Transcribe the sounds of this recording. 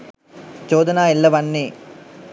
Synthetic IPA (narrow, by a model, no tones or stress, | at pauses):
t͡ɕoːd̪ɐnaːilːɐʋɐɳːi